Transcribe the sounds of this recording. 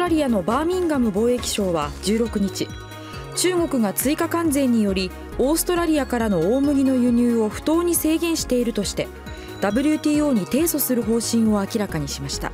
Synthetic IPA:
ɾaɾʲiano̞baːmʲĩŋɡamɯ̟bo̞ːe̞kʲi̥ɕo̞ːβad͡ʑɨːɾo̞kɯ̟ɲ̟it͡ɕi | t͡ɕɨːɡo̞kɯ̟ɡat͡sɨikakãnd͡zẽ̞ɲ̟ːijo̞ɾʲi | o̞ːsɨ̥t̪o̞ɾaɾʲiakaɾano̞oːmɯ̟ɡʲino̞jɯ̟ɲ̟ɨːo̞ɸɯ̟̥t̪o̞ːɲ̟ise̞ːɡẽ̞ɰ̃ɕi̥t̪e̞iɾɯ̟t̪o̞ɕi̥t̪e̞ | d̪̥abɯ̟ɾʲɯt̪ʲiːo̞ːɲ̟it̪e̞ːso̞sɨɾɯ̟ɦo̞ːɕĩɰ̃o̞akʲiɾakaɲ̟iɕimaɕi̥t̪a̰

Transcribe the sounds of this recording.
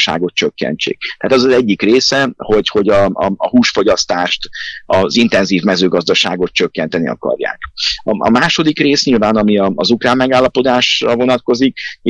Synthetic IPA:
ʃa̰ːɡo̞t̪̚t͡ʃøkːɛ̰nt͡ʃḛːk̚t̪aːt̪ɛzɒzɛɟːikreːsɛho̞cho̞ɟɒɒɒhuːʃfo̞ɟɒst̪aːʃt̪ɒzint̪ɛnziːvmɛzøːɡɒzd̪ɒʃa̰ːɡo̞t̪̚t͡ʃøkːɛn̪t̪ɛnḭɒ̰kɒ̰rja̰ːkɒɒ̰maːʃo̞d̪ikreːsɲilvaːnɒmiɒɒzukraːmːɛɡaːlːɒpo̞d̪aːʃrɒvo̞nɒt̪ko̞zik̚

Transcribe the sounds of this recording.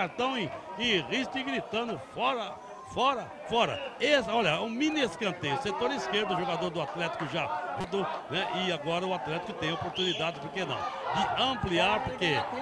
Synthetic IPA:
aɾt̪ɐ̃w̃ĩɪʁist̪iɡɾit̪ɐ̃nʊfɔɾɐ | fɔɾɐ | fɔɾɐ̰esɔʎɐũmĩneskɐ̃nt̪ejʊset̪oɾiskeɾd̪ʊʒoɡad̪oɾd̪ʊat̪lɛt̪i̥kʊʒavd̪onɛʔɪaɡɔɾɐʊat̪lɛt̪ɪ̥kʊt̪ẽj̃opoɾt̪unid̪ad͡ʒɪpoɾkenɐ̰̃w̃d͡ʒ̪ɪɐ̃mpliaɾpoɾke

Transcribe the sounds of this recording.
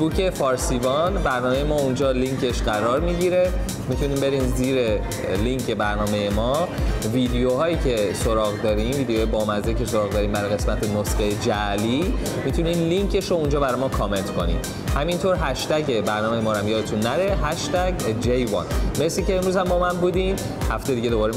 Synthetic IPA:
buːcʰe̞fɒːɾsivɒnbæɾnɒːmejemɒːund͡ʒɒːliŋcʰe̞ʃɢæɾɒːɾmiɟiɾe̞ | mit̪ʰuniːmbe̞ɾiːnziːɾe̞ | liŋcʰe̞bæɾnɒːme̞je̞mɒːviːd̪ejoɦɒːjiːcʰe̞soɾɒːɣd̪ɒːɾiːmviːd̪ejːjebɒːmæzeicʰe̞so̞ɾɒːɣd̪ɒːɾiːmbæɾɒjɣe̞smæt̪ʰe̞nosxejed͡ʒæliː | mit̪ʰuninliŋkʰe̞ʃɾound͡ʒɒːbæɾɒjmɔːkʰɒːme̞nt̪ʰkʰo̞nḭːm | hæmint̪ʰoɾɦæʃt̪æɟebæɾnɒːme̞jemɒːɾæmjɒːd̪et̪ʰunːæɾe̞ɦæʃt̪æɟd͡ʒejvɒ̰nme̞sliːcʰeːmɾuzhæmbɒːmænbuːd̪im | hæft̪ejd̪iːɟe̞d̪o̞bɒːɾe

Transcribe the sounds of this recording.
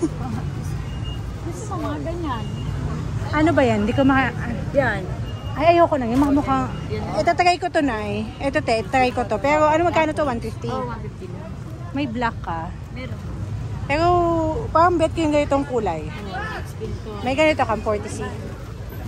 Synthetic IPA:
ɐsɐɐɡɐɲan | ʔɐnobɐjand̪ikomɐkaʔɐnjanʔɐjɐjawkonɐŋjʊŋmɐkɐmʊkaŋɛt̪at̪ɐɡajkot̪onaɛʔɛt̪ot̪ɛʔt̪t̪ːɐɡajkot̪opɛːɾo̞ʔɐnomɐɡkaːnot̪owanfift̪iw̪ɪft̪ila | mɐjblakːa | mɛɾ | pɛːɾopaɾɐmbɛt̪̚kojʊŋɡɐnɪt̪oŋkuːlɐj | ɪnt̪ | mɐjɡɐnojt̪okɐmpoɹt̪ɪsi

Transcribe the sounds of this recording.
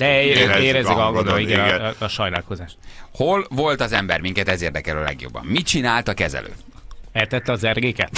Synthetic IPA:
d̪ɛeeːɾɛzikɒɡod̪oiɡɛnʃɒjnaːlkozaːʃt̪ho̞lvo̞lt̪ɒzɛmbɛrmiŋkɛt̪ɛzeːrd̪ɛkɛlɒlɛ̰ɡjo̰bːɒ̰mːit͡ʃinaːlt̪ɒkɛzɛ̰lø̰ː | ɛt̪ɛt̪ːɛɒzɛrɡeːkɛt̪

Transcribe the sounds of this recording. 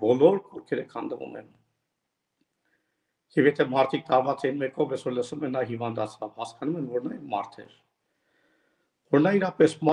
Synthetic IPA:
bɔlɔɾkɔɾkʰɛɾəkʰɑnd̪əvṵmɛ̰n | jɛvjɛt̪ʰɛmɑɾt̪ʰik̚t̪ɑɾvɑt͡sɛinmɛkɔvjɛsɔɾləsumɛnːɑɦivɑnd̪ɑt͡sʰɑvhɑskɑnumɛnvɔɾnɑjɛmɑ̰ɾt̪ʰɛ̰ɾ | vɔɾnɑiɾɑpɛsm

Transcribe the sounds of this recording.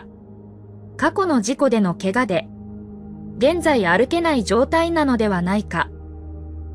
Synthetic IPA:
kako̞no̞ʑiko̞d̪e̞no̞ke̞ɡad̪e̞ | ɡẽ̞nd͡zaiaɾɯ̟ke̞naid͡ʑo̞ːt̪ainano̞d̪e̞β̞anaika̰

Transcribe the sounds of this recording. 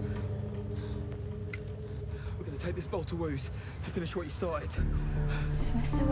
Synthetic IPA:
wɪɡʌnətʰeɪk̚ðɪsb̥ɒʊlˠtʰəwʉːz̥ | tʰəfɪ̃nɪʃwət͡ʃəstɑˑtɪd̥

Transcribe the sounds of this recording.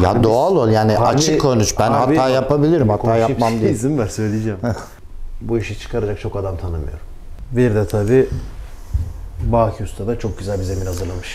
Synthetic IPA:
jad̪oalˠolˠjaːniat͡ʃʰɯkkʰːonut͡ʃbænaaːjapabilʲiɾimhat̪ʰːaːjamamd̪izimbæsø̞jlʲijed͡ʒɛm | buiʃɯt͡ʃʰɯ̥kʰaɾad͡ʒak̚t͡ʃʰo̞kad̪amt̪ʰanɯmɯ̰joɾum | viɾd̪ɛt̪ʰabiː | baːkʰust̪ʰad̪at͡ʃʰo̞k̚ɟyzælʲbizɛminhazɯɾlˠamɯʃ

